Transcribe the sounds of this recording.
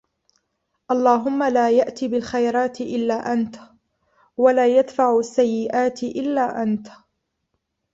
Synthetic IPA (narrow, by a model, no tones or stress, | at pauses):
ʔɑlˤːɑːɦʊmːalaːjaʔt̪iːbɪlxajɾˤɑːt̪ʔɪlːaːʔant̪ | walaːjad̪faʕʊasːajːɪʔaːt̪ʔɪlːaːʔant̪